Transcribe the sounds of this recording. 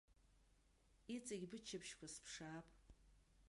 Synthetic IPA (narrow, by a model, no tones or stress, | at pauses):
it͡sʼɐɡʲbɨt͡ʃʰɐbʃkʷʰaspʰʂaːpʼ